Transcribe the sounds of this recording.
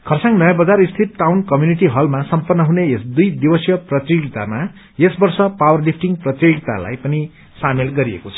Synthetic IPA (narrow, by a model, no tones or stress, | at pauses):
kʰʌrsãŋnʌjãbʌd͡zarist̪ʰit̪̚ʈawnkʌmjuniʈiɦʌlmasʌmpʌnːʌɦuneesd̪ujd̪ibʌsjʌprʌt̪riɡit̪ama | esbʌrsʌpawʌrlipʰʈiŋprʌt̪riɡit̪a̰la̰jpʌni | samelɡʌɾiḛkot͡sʰʌ̥